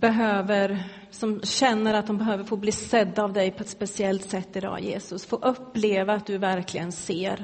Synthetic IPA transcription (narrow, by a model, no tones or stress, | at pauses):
b̥ɛɦøːvəɾ | sɔmɕɛnːəɾat̪̚d̪ɔmbɛɦøːvəɾfoːbliːsɛd̪ːaːvd̪ɛjpʰɔɛt̪spɛsɪɛlt̪sɛt̪ːɪd̪ɑ̰ːjḛːsɵsfoːʔɵpːleːvaːt̪̚d̪ɵvæɾklɪɡənseːɾ